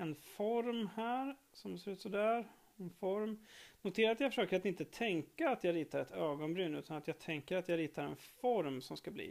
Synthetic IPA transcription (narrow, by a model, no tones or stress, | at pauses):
ɛnfɔɾmhæːɾ | sɔmseɾʉ̟ːt̪sɔd̪æːɾ | ɛnfɔɾmnʊt̪ʰeːɾaɾat̪jaɡfœʂøːkəɾat̪ɪnt̪ət̪ʰɛŋkaːt̪jɑɾiːt̪aɾɛt̪øːɡɔnbɾyːnʉ̟ːt̪anat̪jɑːɡt̪ʰɛŋkəɾat̪jaɾiːt̪aɾɛ̰nfɔɾmsɔmskablḭː